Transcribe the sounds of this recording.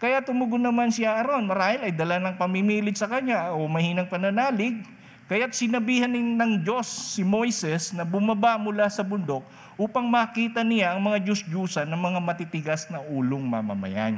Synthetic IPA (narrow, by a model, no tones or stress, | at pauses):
kɐjat̪ʊmʊɡʊnɐmansɪaʔɐɾo̞nɐɾaːhɪlɐjd̪ɐlanɐŋpɐmimiːlɪd͡ʒsɐkɐɲaʔomɐhiːnɐŋpɐnɐnaːlɪɡ̚ | kɐjat̪̚sɪnɐbiːhɐnɪnnɐŋd͡ʒo̞sːɪmo̞jsɛsnɐbʊmɐbamʊlasɐbʊnd̪o̞k̚ | ʔuːpɐŋmɐːkiːt̪ɐnɪlaʔɐŋmɐŋad͡ʒʊsd͡ʒuːsɐnɐŋmɐŋamɐt̪it̪ɪɡasnɐʔuːloŋmɐ̰mɐ̰mɐ̰ja̰n